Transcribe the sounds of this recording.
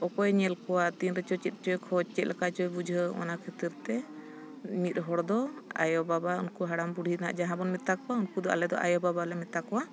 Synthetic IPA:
ɔkɔjɲɛlkɔwat̪inɾɛt͡ʃɔt͡ʃɛt̪̚ˀt͡ʃɔjkʰɔt͡ʃɛt̪̚lʔɛkat͡ʃɔjbud͡ʒʱəɔ̰nakʰɛt̪iɾt̪ɛ | mit̪̚ˀɦɔɽd̪ɔa̰jɔbabaṵnkuɦaɽambuɽ̤ʱina̰ʔd͡ʒaɦãbɔnmit̪akɔwaunkud̪ɔʔa̰lɛd̪ɔʔa̰jɔbabalɛmɛt̪akɔwa

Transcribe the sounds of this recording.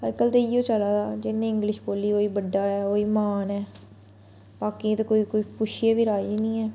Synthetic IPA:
həɾkəlt̪eiːoːt͡ʃəlaːd̪aːd͡ʒɪnːẽːɪ̃ŋɡlɪʃboːliːoːiːbəɖːaːɛːoːiːmaːnɛː | baːkĩːt̪eːkoːiːkoːiːpʊʃieːʋiːɾaːiːnĩːɛː

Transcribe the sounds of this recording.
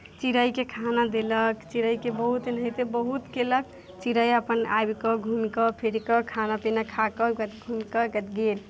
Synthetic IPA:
t͡ʃiɾəjkekʰanad̪eləkt͡ʃiɾəjkebəɦut̪nɦəjt̪ebəɦut̪kelək̚ | t͡ʃiɾəjəpəna̰jbkɔɡʱumkɔpʰeɾikɔkʰanapinakʰakɔkət̪ɡʱumkɔkət̪ɡel

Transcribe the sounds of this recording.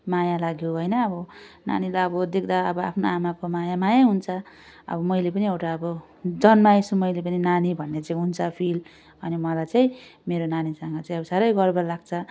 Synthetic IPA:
majalaɡjoɦojnʌːbʌna̰nilaʌbʌd̪ek̚ʰd̪aʌbʌa̰pʰnoamakomajamajaɦunt͡sʰʌ | ʌ̰bʌmʌjlepʌniewʈaʌbʌ | d͡zʌnmajsumʌjlep̬ʌninanibʱʌnːet͡saĩɦunt͡sʰʌpʰil | ʌnimʌlajt͡saĩmeɾonanisʌŋɡʌt͡saĩʌbʌsaɾʌjɡʌrbʌlaɡt͡sʰʌ

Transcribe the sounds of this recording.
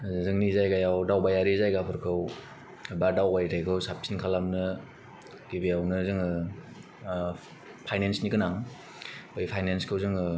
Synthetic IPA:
zɯzɯŋnizajɡajawdawbajaɾizajɡapʰɯɾkʰɯw | badawbajtajkʰɯwsap̚sʰinkʰalamnɯ | ɡ̥ibijawnɯzɯŋɯ | pʰajnensnikɯnaŋ | ɔjpʰajnenskʰɯwzɯŋɯ

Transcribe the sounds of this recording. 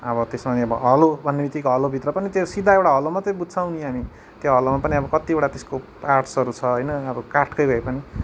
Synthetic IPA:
ʌbʌt̪esmaneʌbʌɦʌlobʱʌnːebʱit̪ikoɦʌlobʱit̪rʌpʌnit̪josid̪ʱaewɽaɦʌlomat͡sʌj̃bud̪ʱsʰawnĩɦami | t̪joɦʌlomapʌniʌbʌkʌt̪ioɽat̪esko | arʈsʌɾut͡sʰʌɦʌjnʌːbʌkaʈʰkʌjbʱʌepʌni

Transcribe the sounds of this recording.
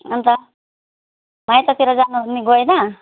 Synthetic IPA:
ʌnt̪ʌ | majt̪ʌt̪ʰiɾʌd͡zanuniɡojna

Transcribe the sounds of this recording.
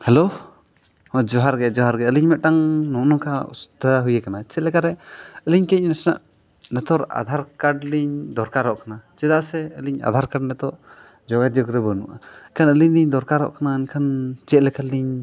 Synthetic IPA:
hɛlo | ɔd͡ʒɔɦaɾɡɛd͡ʒɔɦaɾɡɛəliɲmɛt̪̚ʈaŋnɔʔnɔkaṵst̪əɦujəkanat͡ʃɛʔ̪lɛkaɾɛəliɲkɛc̚nɛsna̰ʔ | nɛt̪ɔɾa̰d̪ʱaɾkaɖliɲd̪ɔɾkaɾɔʔkanat͡ʃɛd̪aʔsɛəliɲa̰d̪ʱaɾkaɖnɛt̪ɔʔ | d͡ʒɔɡadɔɡɾɛbənuʔakʰanəliɲliɲd̪ɔɾkaɾɔ̰ʔkanaənkʰant͡ʃɛt̪̚lɛkaliɲ

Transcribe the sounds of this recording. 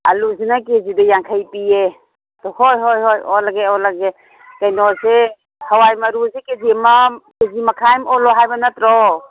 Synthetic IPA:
a̰luzinakezidajaŋkʰajpie | t̪ɔhojɦojɦojɔlaɡeɔlaɡe | kajnɔse | hawajmɐɾuzekezimakezimakʰajmɔlɔɦajbanatɾɔ

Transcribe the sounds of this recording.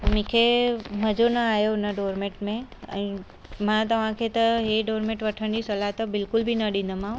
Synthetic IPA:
mĩkʰeməd͡ʒonəajonəɖoːɾmẽʈmẽə̰ĩ | mãt̪̬əʋãkʰet̪əɦeɖoɾmẽʈʋəʈʰəɳɖisəlat̪obɪlkʊlbʱinəɗĩnd̪əmã

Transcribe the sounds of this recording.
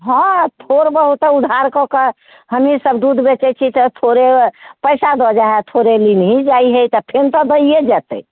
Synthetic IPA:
ɦɔ̃t̪ʰoɾbəɦut̪ud̪ʱaɾkɔkə | ɦəmisəbd̪ud̪ʱbet͡ʃɛt͡ʃʰit̪ɔt̪ʰoɾepəjsad̪ɔd͡ʒaɦɛt̪ʰoɾelinɦid͡ʒaiɦəjt̪ɔpʰent̪ɔd̪əied͡ʒɛt̪ə̰

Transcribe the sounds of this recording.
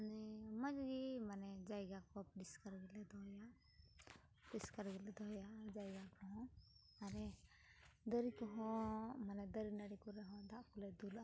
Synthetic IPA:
anɛmad͡ʒɡimanɛd͡ʒajɡakɔpɖiskaɾɡɛlɛd̪ɔɦja | piskəɾɡɛlɛd̪ɔɦjad͡ʒajɡakɔɦɔ̃ | aɾɛ | d̪əɾikɔɦɔ̃manɛd̪əɾinaɽikɔɾɛɦɔ̃d̪aʔkɔlɛd̪ula

